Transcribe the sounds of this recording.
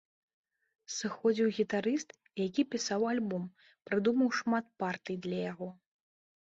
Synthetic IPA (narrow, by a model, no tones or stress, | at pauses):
sɨxɔd͡zʲiwɣʲit̪aɾɨst̪ | jakʲipʲisawalʲbɔm | pɾɨd̪umɐwʂmat̪̚part̪ɨjd̪lʲɐjaɣɔ